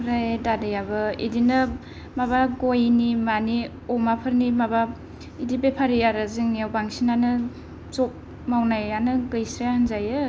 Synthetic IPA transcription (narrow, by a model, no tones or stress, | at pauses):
ɾajdadɯjabɯḭdinɯ | maβaɡojnimani | ɔmapʰɯɾnimaba | idibepʰaɾiaɾazɯŋawbaŋsinanɯ | zɔp̚ | mawnajanɯɡɯjsɾejahanzajɯ